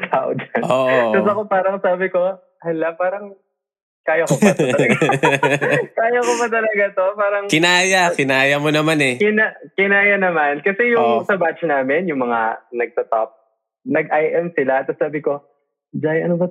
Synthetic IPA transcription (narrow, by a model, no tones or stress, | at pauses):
kla̰wd̪ɐʔoːʔt̪ɐsɐkopaːɾɐŋsaːbɪko̞ | hɐlapaːɾɐŋ | kaːjɐkoɐɡa | kaːjokomɐt̪ɐlɐɡat̪o̞paːɾɐŋkɪnaːjakɪnaːjɐmonɐmanɛkɪnakɪnaːjɐnɐmankɐsɛjʊŋsɐbat͡ʃnaːmɛnjʊŋmɐŋa̰nɐɡ̚t̪ɐt̪ap̚ | nɐɡʔajʔɛmsɪlat̪̚sɐsaːbɪko̞ | d͡ʒajʔɐ̰nobɐ